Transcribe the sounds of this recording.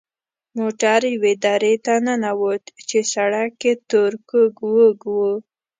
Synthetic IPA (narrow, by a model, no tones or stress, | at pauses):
moʈaɾjwed̪ɑɾet̪anənawət̪t͡ʃesaɽakːet̪oɾkəɡwəɡwə